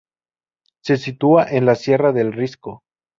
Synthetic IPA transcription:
se̞sit̪uaʔenlasje̞raðe̞lrisko

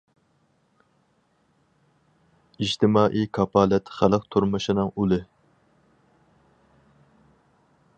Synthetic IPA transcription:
id͡ʒt̪ʰɪmɑːʔikʰɑpʰɑːlɛt̪χælˠəq̚t̪ʰuɾmɨʃinɨŋulɨ

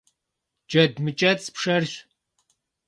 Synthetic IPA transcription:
d͡ʒɐdmɨt͡ʃʼɐt͡sʼpʂɐrɕ

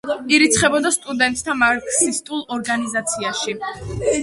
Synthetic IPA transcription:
iɾit̪sʰχɛbɔd̪ast̪ʼud̪ɛnt̪ʼt̪ʰamaɾkʼsist̪ʼulˠɔɾɡanizat̪sʰiaʃi

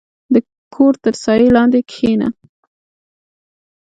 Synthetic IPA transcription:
d̪ə | kʰoɾt̪əɾsɑjelɑnd̪ekxena̰

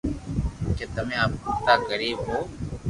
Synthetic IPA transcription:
keːt̪əmẽːaːp̚kʊkt̪aːkəɾiːbɦoː

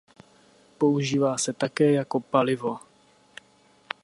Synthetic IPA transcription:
po̞uʒiːvaːsɛt̪akɛːjako̞palɪvo̞

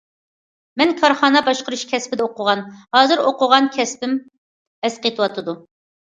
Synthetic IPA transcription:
mɛnkʰɑɾχɑːnɑbɑʃqəɾuʃkʲʰɛspɪd̪ɛoqʰʊʁɑnhɑːzɨɾoqʰʊʁɑnkʲʰɛspɪm | ɛsqʰet̪ʰɨwɑt̪ʰɨd̪u

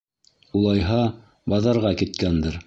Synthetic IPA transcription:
ulˠɑjɦɑ | bɑðɑɾʁɑkit̪kænd̪ɘɾ

